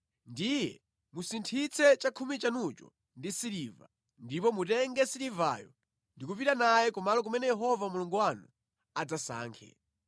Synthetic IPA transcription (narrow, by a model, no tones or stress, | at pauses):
ndijɛ̰ | musintʰit͡sʰɛt͡ʃakʰumit͡ʃanut͡ʃɔ̰ | ndisiliva̰ | ndipɔmutɛŋɡɛsiliva̰jɔ | ndikupitanajɛkumalɔk̬umɛnɛjɛɦɔvamuluŋɡuwanu | ad͡zasa̰ːŋkʰɛ̰